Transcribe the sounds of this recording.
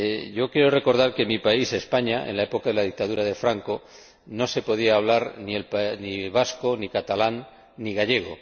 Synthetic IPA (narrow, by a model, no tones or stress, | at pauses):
ʝo̞kjeɾore̞ko̞ɾð̞aɾke̞mipaise̞spaɲaḛnlae̞po̞kaðe̞lað̞ik̚t̪aðuɾaðe̞fɾaŋko̞ | no̞se̞po̞ð̞iaːβ̞laɾnie̞lpniβ̞asko̞nikat̪alanː | iɣaʎe̞ɣ̞o̞̰